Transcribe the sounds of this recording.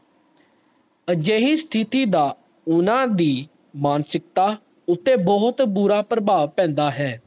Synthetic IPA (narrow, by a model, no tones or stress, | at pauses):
əd͡ʒeːɦĩːst̪ʰɪt̪iːd̪aː | ʊnãːd̪iː | maːnsɪk̚t̪aː | ʊt̪ːeːbɔɦʊt̪buːɾaːpɾəbaːʋpɛ̃ːnd̪aːɦɛː